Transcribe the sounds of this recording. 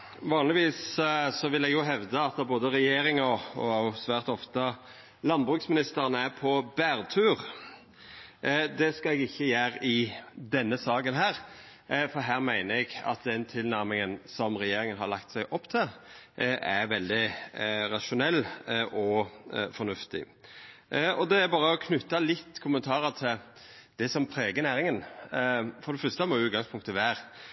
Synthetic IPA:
ʋɑːnlɪʋiːssɔʋɪlɛɡjʊɦɛʋd̪əɑt̪ɑboːd̪əɾɛjeːɾɪŋɔɔʊsʋæːʁt̪ɔft̪ə | lɑnbʁʉːksmɪnɪst̪əɾənəæɾpʰɔbæːɾt̪ʰʉːʁ | d̪ɛskɑɛɡɪçːəjæːɾɪd̪ɛnːəsɑːɡənɦæːɾ | fɔɾɦæːɾmæɪnəɾɛɡɑ̰t̪̚d̪ɛnt̪ʰɪlnæɾmɪŋənsɔmɾɛjeːɾɪŋənɦɑɾlɑkt̪sæɪʔɔpːt̪ʰɪl | ʔæɾʋɛld̪ɪɾɑʂʊnɛlːʔɔfɔɾnʉft̪ɪ̰ | ɔd̪ɛæɾbɑːɾəɔkʰnʉt̪ːɑlɪt̪ːkʰʊmənt̪ʰɑːɾət̪ʰɪl | d̪̥ɛsɔmpʰɾeːɡənæːɾɪŋən | fɔɾd̪ɛfœst̪əmɔʉːt̪ɡɑŋspʰʊŋkt̪ʰːɪʋæːɾ

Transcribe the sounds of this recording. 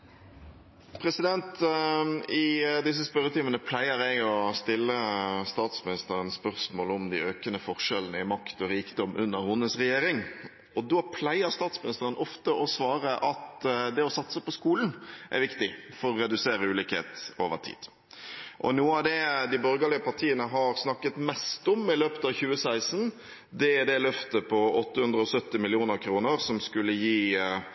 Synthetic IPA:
pʰɾɛsɪd̪ɛnt̪ | ɪd̪ɪs̬ːəspœɾət̪ʰimənəpʰlæɪəɾɛɡɔst̪ɪlːəst̪ɑːt̪smɪnɪst̪əɾənspœʁsmoːlɔmd̪ɪøːkənəfɔʁʂɛlənəɪmɑkt̪ɔɾiːkd̪ɔmʔʉnːəʁhʊnːəsʁɛjeːɾɪŋ | ɔd̪oːpʰlæɪəɾst̪ɑːt̪smɪnɪst̪əʁənɔft̪əʔɔsʋɑːʁəʔɑt̪d̪ɛɔsɑt̪səpɔskuːlnʔæ̰ʋɪkt̪ɪfɔɾɔɾɛd̪ʉseːɾəʉːlikhḛːt̪o̰ːʋə̰ʁtʰḭːd̪̥ | ʔɔ̰nuːəɑd̪ɛd̪ɪbɔɾɡəlɪəpɑʈ̪ʰiːənəɦɑɾsnɑkːət̪mɛst̪ɔmɪløːpət̪ɑʋçʉːəsæɪsn̩ | d̪ɛd̪ɛlœft̪əpʰɔɔt̪ːəhʉnd̪ɾəɔsœt̪ːɪmɪlɪuːnəɾkʰɾuːnəɾsɔmskʉlːəjiː

